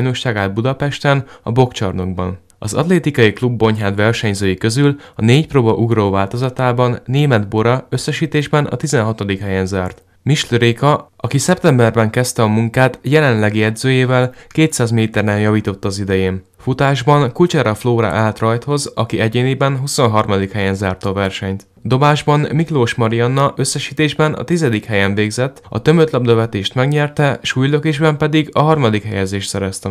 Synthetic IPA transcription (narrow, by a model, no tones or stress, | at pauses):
jno̞ʃaːɡaːd̪̚bud̪ɒpɛʃt̪ɛnɒ̰bo̞kt͡ʃɒ̰rno̞ɡbɒ̰n | ɒzɒ̰t̪leːt̪ikɒjiklubːo̞ɲɦaːd̪vɛrʃɛɲzøːjikø̞zylɒneːcproːbɒʔuɡroːvaːlt̪o̞zɒt̪aːbɒnːeːmɛd̪bo̞ɾɒø̞sːɛʃiːt̪eːʒbɛnɒ̰t̪izɛnɦɒt̪od̪ikhɛjɛnzaːrt̪ | miʃløɾeːkɒɒkisɛp̚t̪ɛmbɛrbɛŋkɛst̪ɛɒmuŋkaːt̪jɛlɛnlɛɡiɛd̪zøːjeːvɛlkeːt̪saːzmeːt̪ɛrnɛnjɒviːt̪o̞t̪ːɒzid̪ɛjeːn | fut̪aːʒbɒnkult͡ʃɛɾɒfloːɾa̰ʔaːlt̪rɒjt̪ho̞zɒ̰kiɛɟeːneːbɛnɦuso̞nɦɒrmɒd̪ikhɛjɛnzaːrt̪ɒːvɛrʃɛɲt̪ | d̪o̞baːʒbɒnmikloːʃmɒɾiɒnːɒʔøsːɛʃiːt̪eːʒbɛnɒ̰t̪izɛd̪ikhɛjɛɱveːɡzɛt̪ːɒ̰t̪ømøt̪lɒbd̪ɒvɛt̪eːʃt̪mɛɡɲɛrt̪ɛʃuːjløkeːʒbɛmpɛd̪iɡɒɦɒrmɒd̪ikhɛjɛzeːʃt̪sɛɾɛst̪ɛ